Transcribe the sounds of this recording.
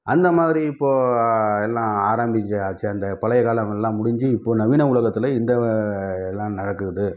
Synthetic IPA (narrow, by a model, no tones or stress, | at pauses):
ʔɐnd̪ɐmaːðɪɾiɪpːoːɛlːãːaːɾaːmbɪd͡ʒɯaːt͡ʃːɯɐnd̪ɐpɐlɐjɐkaːlɐmɛlːãːmʊɽɪɲd͡ʒɯɪpːoːnɐʋiːnɐʊɭɐɣɐt̪ːɪlɐɪnd̪ɐɛlːãːnɐɽɐkːɯɾɐðɯ